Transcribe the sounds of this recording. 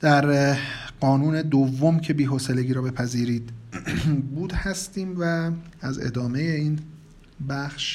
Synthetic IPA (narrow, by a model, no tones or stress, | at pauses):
d̪̥æɾɢɒːnuːne̞d̪ovːo̞mcʰe̞biːɦoseleɟiːɾɒːbe̞pʰæziːɾiːd̪ | buːd̪hæst̪iːmvæːzḛd̪ɒːme̞jeiːn | bæxʃ